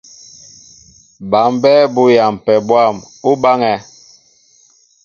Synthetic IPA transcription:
ba˨mbɛ˦bu˦ja˨m˨pɛ˨bwa˦˨m | u˦ba˦ŋɛ˨

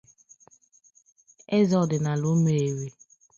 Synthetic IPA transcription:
e˦zɔ˦˨dɪ˨na˨lo˦me˨e˨ɾe˨

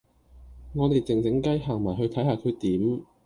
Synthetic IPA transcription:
ŋɔː˨˧t̪e˨˩jt͡sɪ˨ŋt͡sɪ˨˥ŋkɐ˥jɦaː˨˩ŋmaː˨˩jɦɵ˧ɥt̪ʰɐ˨˥jhaː˨˩kʰɵ˨˧ɥt̪iː˨˥m

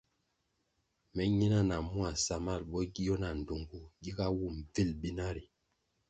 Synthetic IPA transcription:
mɛ˨˦ɲi˦na˦na˨mu˦a˨sa˨ma˦˨lbɔ˦ɡi˦jɔ˦na˨n̩˨do˨ŋɡu˦ɡi˦ɡa˦wu˦˨mvi˦˨lbi˦na˦ɾi˨

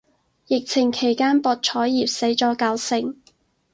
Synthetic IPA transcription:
jɪ˨k̚t͡sʰɪ˨˩ŋkʰe˨˩jkaː˥npɔː˨˧t̚t͡ʃʰɔː˨˥jːiː˨p̚se˨˥jt͡ʃɔː˨˥kaː˨˧wsɪ˨ŋ

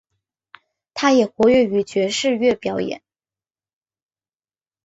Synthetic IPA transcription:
t̪ʰa˥jɛ˨˩xwɔ˧˥ɥɛ˥˩y˧˥t͡ɕɥɛ˧˥ʂɻ̩˥˧ɥɛ˥˩pjɑ˨˧˥ʊjɛ̰˨˩˦n

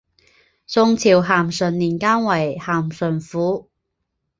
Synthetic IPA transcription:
sʊ˧ŋt͡sʰiː˨˩wɦaː˨˩msɵ˨˩nliː˨˩nkaː˥nwɐ˨˩jhaː˨˩msɵ˨˩nfuː˨˥

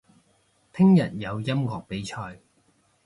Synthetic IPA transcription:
t̪ʰɪ˥ŋjɐ˨t̚jɐ˨˧wjɐ˥mŋɔː˨k̚pe˨˥jt͡ʃʰɔː˧j

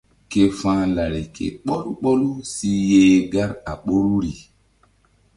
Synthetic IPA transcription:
ke˨fãː˦la˨ɾi˨kʰḛ˨ɓɔ˦lu˦k͡pɔ˦lu˦si˦jeː˦ɡa˦ɾa˨ɓo˦ɾu˦ɾi˨

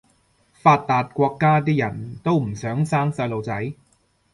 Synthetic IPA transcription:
faː˨˧t̪̚ːaː˨˩t̪̚kʷɔː˧kːaː˥˩t̪̬ʰiː˥jɐ˨˩nt̪o˥˩wm̩˨˩sœː˨˥ŋsaː˥˩ŋsaː˧lo˨˧wt͡sa˨˥j

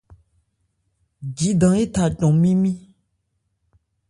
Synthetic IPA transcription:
d͡ʒi˨ɖã˨e˦t̪a˨tɔ̃˨mĩ˦mĩ˦

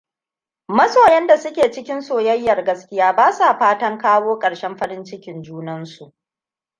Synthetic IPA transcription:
mɐ˦soː˨jɛ˦nda˨sʊ˦kʲeː˨t͡ʃɪ˦kʲɪ˦nsoː˨jɐ˦jːɐ˨rɡɐ˦skʲɪ˦jaː˦baː˦sa˨ɸaː˦tɐ˦ŋkaː˦woː˦kʼɐ˨ɽʃɛ˦mɸɐ˦ɾɪ˦nt͡ʃɪ˦kʲɪ˨nd͡ʒuː˦nɐ˦nsu˨ʔ

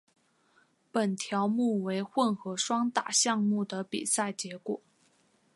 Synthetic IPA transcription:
pə˨˩nt̪ʰjɑ˧˥ʊmu˥˩we˧˥ɪxwə˥˩nxɤ˧˥ʂwɑ˥ŋt̪a̰˨˩ɕjɑ˥˧ŋmu˥˩d̪ə˩pḭ˨˩sa˥˩ɪt͡ɕjɛ˧˥kwɔ̰˨˩˦

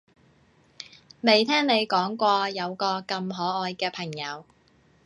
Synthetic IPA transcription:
me˨˩jt̪ʰɛː˥ŋne˨˧jkɔː˨˥ŋkʷɔː˧jɐ˨˧wkɔː˧kɐ˧mɦɔː˨˥ɔː˧jkɛː˧pʰɐ˨˩ŋjɐ˨˧w

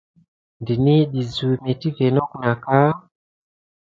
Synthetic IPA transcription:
ndi˨ni˦ɗi˨zu˨mɛ˨ti˦vɛ˨nɔ˦ku˨na˨ka˦

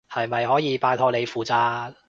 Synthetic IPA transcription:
hɐ˨jmɐ˨jhɔː˨˥jiː˨˧paː˧t̪ʰɔː˧le˨˧jfuː˨˩t͡saː˧t̚

